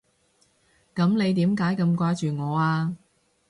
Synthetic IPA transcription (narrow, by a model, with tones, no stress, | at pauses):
kɐ˨˥mne˨˧jt̪iː˨˥mkaː˨˥jkɐ˧mkʷaː˧˥jt͡ʃyː˨ŋɔː˨˧aː˧